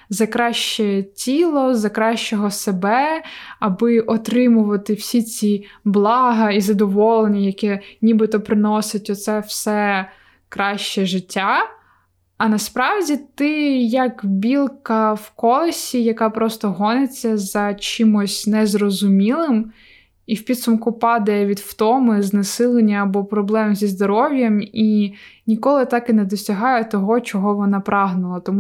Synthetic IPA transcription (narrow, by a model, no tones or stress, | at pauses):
zɐkɾɑʃt͡ʃɛtʲilˠɔzɐkɾɑʃt͡ʃɔɦɔsebɛɐbɪʔɔt̪ɾɪmʊʋɐt̪ɪwsʲit͡sʲiblˠɑɦɐizɐd̪ɔʋɔlˠenʲijɐkɛnʲibɪt̪ɔpɾɪnɔsɪtʲɔt̪sɛwsɛ | kɾɑʃt͡ʃɛʒɪtʲːaː | nɐspɾɑwdʲit̪ɪjɐkbʲilˠkɐwkɔlˠɐsʲijɐkɑpɾɔst̪ɔɦɔnet͡sʲːɐzɐt͡ʃimɔsʲnɛzrɔzʊmʲilˠɪm | iwpʲid̪sʊmkʊpɑd̪ɐjɛʋʲid̪ft̪ɔmɪznɐsɪlˠenʲːɐːbɔpɾɔblˠɛmzʲizd̪ɔɾɔʋʲjɐminʲikɔlˠɪt̪ɑkɪnɛd̪ɔsʲɐɦɑjɛt̪ɔɦɔt͡ʃɔɦɔʋɔnɑpɾɑɦnʊlˠɐt̪ɔmu